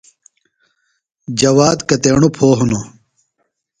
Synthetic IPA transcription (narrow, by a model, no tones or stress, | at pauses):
d͡ʑɐwaːd̪kɐt̪eːɳupʰoːɦuno